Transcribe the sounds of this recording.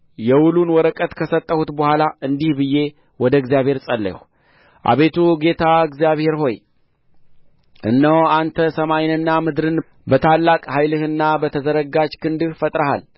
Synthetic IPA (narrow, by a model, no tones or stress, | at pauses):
jɛwulunwɔɾəkʼət̪kʰəsət̪ʼːəhut̪bəhʷalaɨnd̪ihbɨjːe̞ | wɔd̪əɨɡzijaβhe̞ɾsʼəlːə̰ | ʔa̰βe̞t̪ʰuɡe̞t̪ʰaɨɡzijaβhe̞ɾɦo̞j | ʔɨnːəwant̪ʰəsəmajnɨnːamɨd̪ɾɨn | bət̪ʰalːakʼhajlɨhɨnːabət̪ʰəzəɾəɡad͡ʒkʰɨnd̪ɨhfət̪ʼɾəha̰l